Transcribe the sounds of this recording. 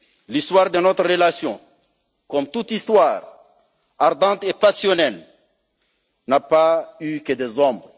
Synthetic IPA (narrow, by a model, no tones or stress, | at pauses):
list̪waʁd̪ənɔt̪ɾʁəlasjɔ̰̃ | kɔmt̪ut̪ist̪waːʁ | aʁd̪ɑ̃t̪epasjonɛl | napaykəd̪ezɔ̃mbʁ